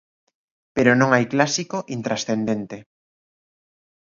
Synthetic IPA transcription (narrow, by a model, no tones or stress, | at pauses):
peɾonõŋajklasikoʔint̪ɾasθend̪ent̪e